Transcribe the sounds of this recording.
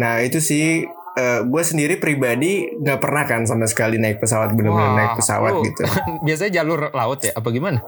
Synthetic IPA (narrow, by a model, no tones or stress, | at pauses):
nahit̪usɪh | əːɡuasəndiɾipɾibadiŋɡaʔpərnahkans̬amasə̥kalinaɪk̚pəs̬awat̪̚bənəmbənamnaɪk̚pəsa̰wa̰t̪ɡit̪ṵbias̬aɲad͡ʒalʊrlaʊt̪jaʔap̬aɡimana